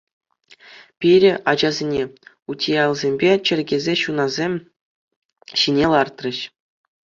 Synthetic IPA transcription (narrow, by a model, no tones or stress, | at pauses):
pʲiɾʲɘ̆ʔɑd͡ʑɑzʲenʲe | utʲʰijɑlʲˠzʲemʲbʲet͡ɕɘ̆rʲɡʲezʲeɕunɑzʲemʲ | ɕinʲelˠɑrt̪rɤ̆ɕ